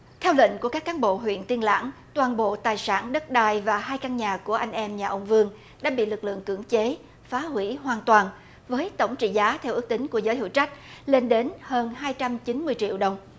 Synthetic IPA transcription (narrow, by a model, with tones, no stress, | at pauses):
t̪ʰɛ˧wlḭ˧˨ŋ̟ku˧˩əkaː˦˥kːaː˨˦nɓo̰˧˨ɦwḭ˧˨ənt̪i˧ənla̰ː˧˥ŋt̪waː˨˩nɓo̰˧˨t̪aː˨˩jsaː˧˩nɗə˦˥t̚ɗaː˧˩jvaː˨˩ɦaː˧jka˧nɲaː˨˩ku˧˩əʔa˧jŋ̟ʔɛ˧mɲaː˨˩ʔə˧wŋ͡mvɨ˧əŋ | ɗa̰ː˧˥ɓḭ˧˨lɨ˨˩k̚lɨ̰˧˨əŋkɨ̰˧˩əŋt͡ɕe˨˦ | faː˨˦hwi˧˩ɦwaː˨˩nt̪waː˨˩n | vəː˨˦jt̪ə˧˩wŋ͡mt͡ɕḭ˧˨zaː˨˦t̪ʰɛ˧wʔɨ˦˥k̚t̪ï˨˦ŋ̟ku˧˩əzəː˨˦jhɨ̰˧˨wt͡ɕa˦˥k̟̚le˧nɗe˨˦nhəː˧nɦaː˧jt͡ɕa˧mt͡ɕi˨˦nmɨ˧əjt͡ɕḭ˧˨əwɗə˨˩wŋ͡m